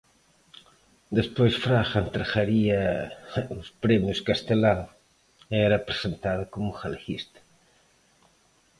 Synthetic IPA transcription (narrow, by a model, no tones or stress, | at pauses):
d̪espojsfɾaxent̪ɾaxaɾiɐ | uspɾemjuskast̪elaw | ɛɾɐpɾezent̪aðɐkomuxalxist̪ɐ̥